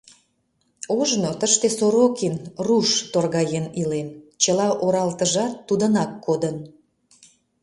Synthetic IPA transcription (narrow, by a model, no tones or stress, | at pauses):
uʒnot̪əʃt̪esoɾokinruʃt̪orɣɑjenilent͡ɕəlɑʔoɾɑlt̪əʒɑt̪ːud̪ənɑkːod̪ən